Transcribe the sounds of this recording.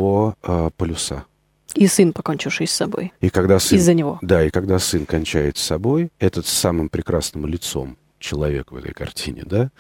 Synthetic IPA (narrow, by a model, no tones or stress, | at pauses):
voəpəlʲʊsa̰ | isɨnpɐkonʲt͡ɕɪfʂɨjsːɐbo̞̰jikɐɡd̪asɨɪzzːənʲɪvo̞d̪aɪkɐɡd̪asɨnkɐnʲt͡ɕæjɪt̪sɐbo̞jɛt̪ət̪samɨmpɾʲɪkɾasnəmlʲɪt̪so̞̰m | t͡ɕɪlˠɐvʲe̞̰kvɛ̰t̪ə̰jkɐ̰rtʲʰinʲɪ̰d̪a